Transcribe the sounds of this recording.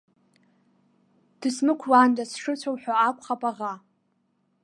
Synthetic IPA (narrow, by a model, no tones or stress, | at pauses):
d̥ɨsmɨkʷʰwaːndasʂɨt͡ɕʷʰowħʷᶣaːkʷʰʼχapʼaʁa